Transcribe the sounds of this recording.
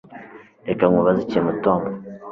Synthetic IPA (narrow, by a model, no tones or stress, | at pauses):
ekaŋuβaziciemutoːmbo